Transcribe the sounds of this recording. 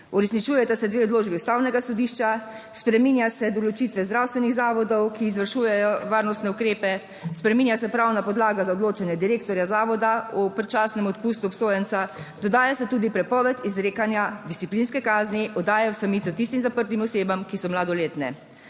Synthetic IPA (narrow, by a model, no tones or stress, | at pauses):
uɾɛsnit͡ʃuːjɛt̪asɛd̪ʋeːɔd̪loːd͡ʒbiust̪aːwnɛɡasɔd̪iʃt͡ʃa | spɾɛmiːnjasɛd̪ɔlɔt͡ʃit̪ʋɛzd̪ɾawst̪ʋɛniɣzaːʋɔd̪ɔwkiːzʋəɾʃujɛjɔʋaːɾnɔst̪nɛukɾeːpɛ | spɾɛmiːnjasɛpɾawnapɔd̪laːɡazaɔd̪loːt͡ʃanjɛd̪iɾeːkt̪ɔɾjazaːʋɔd̪aɔpɾɛt͡ʃaːsnɛmɔt̪pust̪uɔpsoːjɛnt̪sad̪̥ɔd̪aːjasɛt̪uːd̪ipɾɛpɔʋɛt̪izɾeːkanjad̪ist̪iplinskɛkaːzniʔɔd̪aːjawsamit̪sɔt̪ist̪imzapəɾt̪imɔseːbamkisɔmlaːd̪ɔleːt̪nɛ